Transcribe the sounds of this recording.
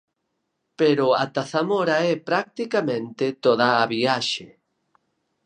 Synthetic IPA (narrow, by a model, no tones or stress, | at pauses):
peɾʊa̰t̪aθamɔɾaɛpɾak̚t̪ikamẽnt̪ɪt̪oðaːβiaʃe